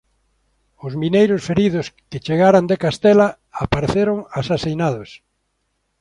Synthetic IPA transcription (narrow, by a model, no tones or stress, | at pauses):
ʊzminejɾʊsfeɾiðʊskɪt͡ʃeɣaɾand̪ekast̪ɛla | apaɾeθeɾoŋasasejnaðʊs